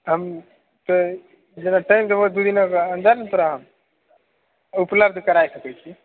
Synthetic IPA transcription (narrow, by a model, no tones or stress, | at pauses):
ɦəm | t̪o | d͡ʒenaʈajmt̪ebod̪ud̪inokənd̪əɾnt̪ʰoɾaɦəm | upləbd̪ʱkəɾaesəkət͡ʃʰi